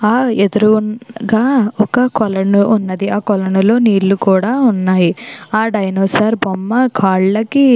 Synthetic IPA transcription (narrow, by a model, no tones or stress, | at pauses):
aːed̪uɾunɡaːɔkɐkɔlɐɳuːnːɐd̪iʔaːkɔlɐɳulo̞ːniːlːukuːɽaːunːaːjiaːɖɐjnoːsaːɾbomːɐkʰaːɭlɐki